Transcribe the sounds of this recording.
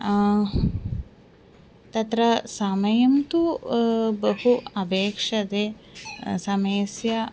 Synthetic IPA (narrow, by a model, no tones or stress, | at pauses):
t̪ɐt̪ɾɐsamɐjɐnt̪u | bəhuɐbeːkʂɐd̪e | sɐmeːsja